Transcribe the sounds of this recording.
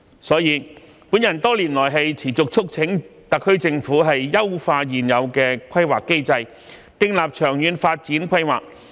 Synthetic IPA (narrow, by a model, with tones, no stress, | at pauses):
sɔː˨˥jiː˨˧ | pu˨˥njɐ˨˩nt̪ɔː˥liː˨˩nlɔː˨˩jɦɐ˨jt͡sʰiː˨˩t͡sʊ˨k̚t͡sʰʊ˥k̚t͡sʰɪ˨˥ŋt̪ɐ˨kʰːɵ˥ɥt͡sɪ˧ŋfuː˨˥ɦɐ˨jːɐ˥wfaː˧jiː˨˩njɐ˨˧wkɛː˧kʷʰɐ˥jwaː˨kːe˥jt͡sɐ˧j | t̪ɪ˧ŋlaː˨p̚t͡ʃʰœː˨˩ŋjyː˨˧nfaː˧t̚t͡siː˨˥nkʷʰɐ˥jwaː˨k̚